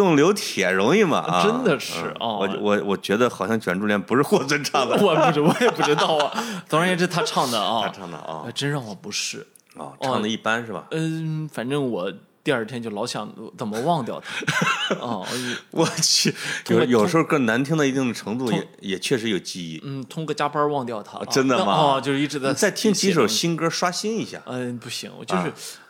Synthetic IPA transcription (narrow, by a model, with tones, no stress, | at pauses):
t̪ʊ˥˩ŋljo˧˥ʊt̪ʰjɛ˨˩ɻʊ˧˥ŋi˥˩mɐ̰˨˩ʔə˥nd̪ə˨ʂɻɻ̩˥˩ɐ˥˧˩ɔ˧˩˧wɔ˨˩wɔ˨˩t͡ɕɥɛ˧˥d̪ə˧xɑ˨˩ʊɕjɑ˥˩ŋt͡ɕʰɥɛ˨˩nʈ͡ʂu˥˧ljɛ˥˩npu˧˥ʂɻ̩˥˧xwɔ˥˩t͡sə˥˧nʈ͡ʂʰɑ˥˩d̪əɔ˧˩pu˥˩˥wɔ˧˥jɛ˨˩pu˥˩ʈ͡ʂɻ̩˥t̪ɑ˥˩ʊɐ˩t̪ʰɑ˥˩ɻjɛ˨˩ɻ̩˥˧t̪ʰa˥ʈ͡ʂʰɑ˥˩ŋd̪ə˨ɐ˧tʰa˥ʈ͡ʂʰɑ˥˩ŋd̪ə̰˩ɐ̰˧˩˥ʈ͡ʂə˥nɻɑ˥˩xɔ˨˩pu˧˥ʂɻ̩˥˩ | ɔ̰˧˩˥ɑ˥˩ŋd̪ə˩i˥˩pa˥nʂɻ̩˥˩bɐ̰˩˥˩fa˨˩nʈ͡ʂə˥ŋwɔ˨˩ | t̪i˥˧ɐ˞˥˩t̪ʰjɛ˥nt͡ɕo˥˩ʊlɑ˧˥ʊɕjɑ̰˨˩˦ŋt͡sə˨˩mə˦wɑ˥˧ŋt̪jɑ˥˩ʊt̪ʰa˥˧˩ | wɔ˧˩t͡ɕ̪ʰo˥˩jo˨˩ʊʂ̩˧˥xo˥˧kɤ˥˩ŋna˧˥nt̪ʰi˥ŋnd̪i˧˥i˥˩ŋd̪ə˩ʈ͡ʂʰɤ˧˥ŋt͡s̪u˥˩jɛ̰˧jɛ˨˩t͡ɕʰɥɛ˥˩ʂ̬ɻ̩˧˥jo˨˩ʊt͡ɕi˥˧ḭ˥˩n̩˥˩t̪ʰʊ˥ŋkɔ˥˧t͡ɕja˥pə˥wɑ˥˧ŋt̪jɑ˥˩ʊt̪ʰa̰˥ʈ͡ʂə˥nd̪ə˨mɐ˨˥˧t͡ɕjo˥˧ʊʂɻ̩˥˧i˥˩ʈ͡ʂɻ̩˧˥d̪ə˧t͡sa˥˩ɪt̪ʰi˥ŋt͡ɕʰi˧˥ʂ̬o˨˩ʊɕi˥nkə˥ʂwa˥ɕi˥ni˧˥ɕja̰˥˩a˥˧pu˥˩ɕḭ˧˥ŋ̰˧˩t͡ɕjo˧ʂɻ̩˥˩